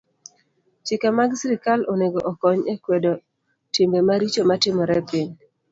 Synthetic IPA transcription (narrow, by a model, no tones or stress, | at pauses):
t͡ʃɪkamaɡsiɾɪkalʔɔneɡoʔɔkɔɲekwedo | tɪmbemaɾit͡ʃomatɪmɔɾɛpɪɲ